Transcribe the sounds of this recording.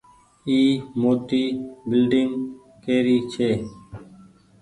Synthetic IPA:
iːmoːt̪iːbɪlɖɪŋɡ | keːɾiːt͡ʃʰeː

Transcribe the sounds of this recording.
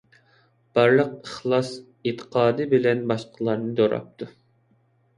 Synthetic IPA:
b̥ɑɾlˠəqəχlˠɑs | et̪ʰːə̥qʰɑːd̪ɨbɪlɛnbɑʃqʰəlˠɑɾnɨd̪oɾɑ̰p̚t̪ʰu

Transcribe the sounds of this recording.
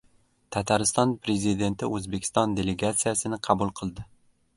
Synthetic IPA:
t̪ʰat̪ʰaɾɪst̪ɒnpʰɾe̞zid̪e̞nt̪ɪɵzbekʲʰɪ̥st̪ɒnd̪e̞leɡat̪sijasɪnɪqʰɑbʊlˠqʰɨlˠd̪ɪ

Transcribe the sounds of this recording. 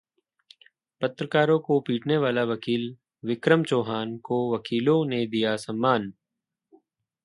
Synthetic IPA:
pət̪ɾəkaːɾõkopiːʈʰneʋaːlaʋɐkiːl | ʋɪkɾəmt͡ʃoːɦaːnkoʋɐkiːlõned̪ijasɐ̃mːaːn

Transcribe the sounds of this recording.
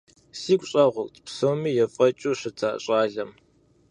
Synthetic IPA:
siːkʷʼɕʼɐʁʷʊkʷʼtʰʼpsowmiːjɛfʼɐt͡ʃʼuːɕɪtʰaːɕʼaːɮɐm

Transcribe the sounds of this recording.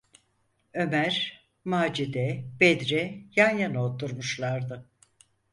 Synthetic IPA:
ø̞mæɾ | maːd͡ʒid̪ɛbɛd̪ɾɛjanjanot̪ʰuɾmuʃlˠaɾd̪ɯ

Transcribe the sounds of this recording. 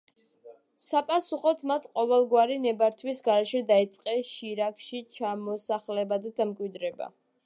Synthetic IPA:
sapʼasuχɔt̪ʰmat̪ʰqʼɔvɛlˠɡwaɾinɛbaɾt̪ʰwisɡaɾɛʃɛd̪ait̪sʼqʼɛʃiɾakʰʃit͡ʃʰamɔsaχlɛbad̪ad̪amkʼwid̪ɾɛba̰

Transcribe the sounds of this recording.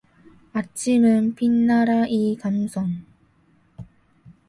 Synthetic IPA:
at͡ɕʰimɯnpʰinːaɾaʔikamsʰʌŋ

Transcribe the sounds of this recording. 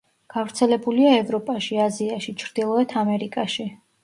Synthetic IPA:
ɡ̥avɾt̪sʰɛlɛbuliaɛvɾɔpʼaʃiaziaʃit͡ʃʰɾd̪̥ilˠɔɛt̪ʰamɛɾikʼaʃi

